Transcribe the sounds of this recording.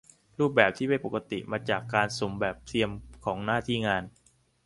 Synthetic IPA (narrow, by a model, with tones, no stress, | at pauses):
ɾuː˥˩p̬̚bɛː˨˩p̚t̪ʰiː˥˩pa˧npo˨˩ka˧t̪ḭ˨˩maː˧t͡ɕaː˨˩kːaː˧nso˩˦mbɛː˨˩p̚t̪ʰi˧əmkʰɔː˩˦ŋnaː˥˩t̪ʰiː˥˩ŋaː˧n